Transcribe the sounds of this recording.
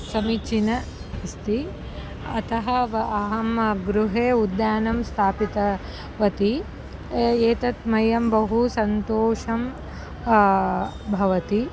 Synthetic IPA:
sɐmit͡ʃinɐ | st̪i | ɐt̪ɐɦɐɐɦɐmɡɾuɦeːud̪jaːnɐmst̪ʰaːpit̪ɐ | ʋɐt̪i | eːt̪ɐt̪mɐjɐmbɐɦusɐnt̪oːʂɐm | bʱɐʋɐt̪i

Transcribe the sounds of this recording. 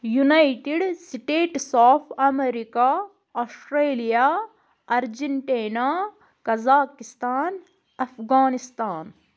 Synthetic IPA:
junaiʈiɖsiʈeːʈsaːpʰɐmeɾika | oːsʈɾeːlijaː | ɐɾd͡ʒeɳʈeːnaː | kɐzaːkist̪aːn | ɐfʰɡaːnist̪aːn

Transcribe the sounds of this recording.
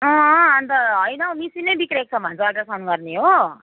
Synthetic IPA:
ʌ̃ant̪ʌɦʌjnʌmisinʌjbikɾek̚t͡sʰʌbʱʌnt͡sʰʌakʈasʰanɡʌrneɦo

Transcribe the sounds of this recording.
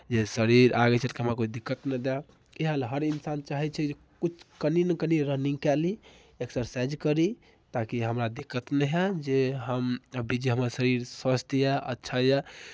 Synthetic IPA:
d͡ʒesəɾiɾaɡɛt͡ʃʰɛlkiɦəmɾakot͡ʃʰd̪ikːət̪nɛd̪ɛ | iɦalɦəɾinsant͡ʃaɦɛt͡ʃʰɛd͡ʒe | kut͡ʃʰkəninəkəniɾənĩŋɡkɛli | eksəɾsɛd͡ʒkəɾi | t̪akiɦəmɾad̪ikːət̪nɛɦɛd͡ʒeɦəmbid͡ʒiɦəməɾsəɾiɾsəst̪jɛʔə̰tːʃʰajɛ

